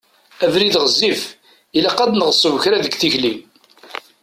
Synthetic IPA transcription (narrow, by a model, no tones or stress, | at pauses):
ævɾiðʁəzːif | ilæqæd̪nəʁsˤːəvəçɾaðəɡθiçlim